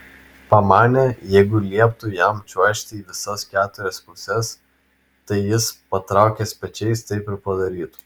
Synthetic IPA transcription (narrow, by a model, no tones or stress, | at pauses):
pɐmɑːnʲɛjɛɪɡʊlʲiɛp̚t̪ʊjɛmt͡ʃʲuɔʃʲt̪ʲɛiːʋʲɪsɐskʲæːt̪ʊɾʲɛspʊsʲɛs | t̪ɐɪjɪspɐt̪ɾɑˑʊkʲesʲpʲɛt͡ʃʲɛɪst̪ɐɪpɪɾpɐd̪ɐɾʲiːt̪ʊ̥